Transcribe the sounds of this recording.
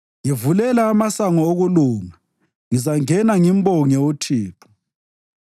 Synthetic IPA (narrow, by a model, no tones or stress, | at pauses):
jivulɛlaːmasaŋɔoɣuluːŋa | ŋizaŋɛnaŋimbɔŋɛutʰiːtʰu̥